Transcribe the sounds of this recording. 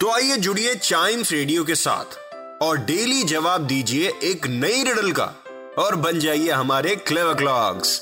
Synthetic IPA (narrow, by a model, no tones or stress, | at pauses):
t̪oaːied͡ʒʊɽiet͡ʃaːɪmsɾeːɖijok̬esa̰ːt̪ʰ | ɔːɾɖeːlid͡ʒɐʋaːb̚d̪iːd͡ʒieʔeːknɐiɾɪɽəlka̰ | ɔːɾbɐnd͡ʒaːieɦɐmaːɾekleːʋəklaːɡz̥